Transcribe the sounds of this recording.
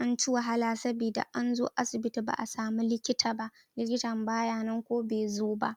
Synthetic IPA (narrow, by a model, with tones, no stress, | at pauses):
ʔa˦nt͡ʃɪ˦wa˨ɦa˦laː˨sɐ˦biː˨da̰˨ʔa˦nzo̰ː˦ʔa˦sɪ˨bɪ˦ti˨ba̰˨ʔa˨saː˨mi˦lɪ˦kʲɪ˦tʰaː˨ba˦ʔ | lɪ˦kʲɪ˦tɐ˨mbaː˦jaː˦˨nɐ˦ŋkʷoː˦beː˨zoː˦ba˦ʔ